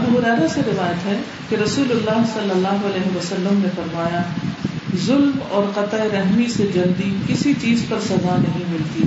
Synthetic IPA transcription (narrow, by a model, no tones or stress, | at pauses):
ɐbuːɦʊɾɛːɾaseɾɪʋaːjət̪ɦɛ | keɾɐsuːlʊlːaːɦsɐlːəlːaːɦoɐlɛːɦeʋɐsɐlːəmnefɐɾmaːja | zʊlmɔːɾqɐt̪ːeɾɛɦmised͡ʒɐld̪ikɪsit͡ʃiːzpɐɾsɐzanɐɦĩmɪlt̪iː